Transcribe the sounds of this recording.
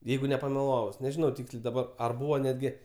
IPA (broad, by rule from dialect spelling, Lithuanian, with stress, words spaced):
ˈjɛɪɡʊ nʲɛpɐmʲɛˈlˠɑːʋʊs nʲɛˈʒʲɪnɐʊ ˈtʲiːksʲlʲeː dɐˈbɐr ɐr ˈbuːʋɐ nʲɛdʲˈɡʲɪ